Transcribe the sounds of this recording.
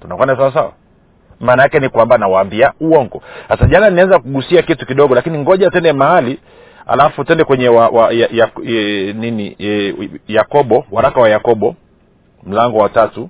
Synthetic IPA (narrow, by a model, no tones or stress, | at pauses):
tunakwanas̬awas̬awa̰ | maːnajakɛnikwambanawaːmbiauɔŋɡɔsasaʄananianzakuɠusiakitukiɗɔɠɔlakiniŋɡɔʄatɛndɛmaali | a̰lafutɛndɛkwɛɲɛwawaajaɛniniɛjakɔɓɔwaɾakawajakɔɓɔ | m̩laŋɡɔwatatu